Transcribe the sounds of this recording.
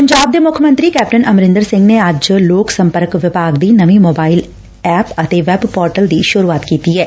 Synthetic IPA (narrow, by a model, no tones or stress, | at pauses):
pəɲd͡ʒaːb̚d̪eːmʊkʰəmə̃nt̪ɾiːkɛːp̚ʈənʔəmɾɪ̃nd̪əɾsɪ̃ŋɡneəd͡ʒloːksə̃mpəɾkʋɪpaːɡd̪iːnəʋĩmoːbaːɪl | ɛːpət̪eːʋɛbpɔːɾʈəld̪iʃʊɾuːaːt̪kiːt̪iɦɛː